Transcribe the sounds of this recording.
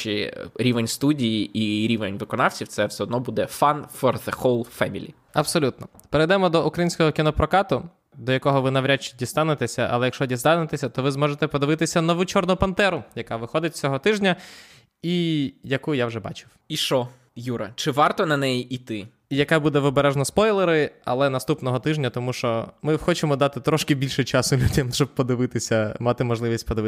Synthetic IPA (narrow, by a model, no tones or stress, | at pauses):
t͡ʃɪ̰ɾʲiʋenʲst̪udʲijiʔiɾʲiʋenʲʋɪkɔnɑwt͡sʲiwt̪sɛwsɛɔd̪nɔbud̪ɛfɑnfɔrðexɔlˠfɛmʲḭlʲḭ | ɐb̥sɔlʲut̪̚nɔ | peɾejd̪ɛmɔd̪ɔukɾɐjinʲsʲkɔɦɔkʲɪnɔpɾɔkɑt̪ʊ | d̪ɔjɐkɔɦɔʋɪnɐʋɾʲat͡ʃdʲist̪ɑnet̪esʲɐʔɐ̰lˠɛjɐkʃɔdʲist̪ɑnet̪esʲɐt̪ɔʋɪzmɔʒet̪ɛpɔd̪ɪʋɪt̪ɪsʲɐnɔʋut͡ʃɔrnʊpɐnt̪ɛɾʊjɐkɑʋɪxɔd̪ɪtʲsʲɔɦɔt̪ɪʒnʲɐ | ijɐkujawʒɛbɑ̰t͡ʃɪ̥wiʃɔ | juɾɐ̰t͡ʃɪʋɑrt̪ɔnɐnɛjiʔit̪ɪ | ijɐkɛbud̪ɛʋɔbeɾɛʒnɔspɔjlˠeɾɪɐ̰lˠɛnɐst̪upnɔɦɔt̪ɪʒnʲɐt̪ɔmuʃt͡ʃɔmɪxɔt͡ʃemɔd̪ɑt̪ɪt̪ɾɔʃkɪbʲilʲʃɛt͡ʃɑsʊlʲudʲɐm̥t͡ʃɔb̚pɔd̪ɪʋɪt̪ɪsʲɐmɑt̪ɪmɔʒlˠɪʋʲisʲtʲpɔd̪ɪʋɪ